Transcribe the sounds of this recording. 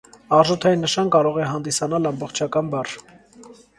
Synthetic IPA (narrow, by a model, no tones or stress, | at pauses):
ɑʁʒɔt̪ʰɑinːəʃɑnkɑɾɔʁɛɦɑnd̪isɑnɑlɑmbɔχt͡ʃʰɑkɑnbɑr